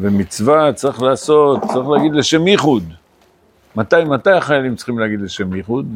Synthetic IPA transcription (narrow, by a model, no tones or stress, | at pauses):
vemit͡svat͡saʁiχlaːso̞t̪t͡saʁiχleːɡid̪leʃe̞mjiχud̪ | mat̪ajimat̪ajaχajalimtt͡sχimleaɡid̪leʃe̞mjiχud̪